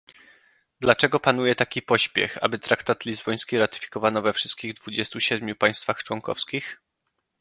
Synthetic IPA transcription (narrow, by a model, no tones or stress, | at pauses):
d̪lat͡ʂɛɡɔpanujɛt̪akʲipɔɕpʲjɛ̰xa̰bɘt̪ɾakt̪at̪lʲizbɔj̃skʲiɾat̪ɘ̥fʲi̥kɔvanɔvɛfʂɘst̪̚kʲiɣd̪vud͡ʑɛst̪uɕɛd̪mʲjupaj̃st̪faxt͡ʂwɔŋkɔ̰fskʲix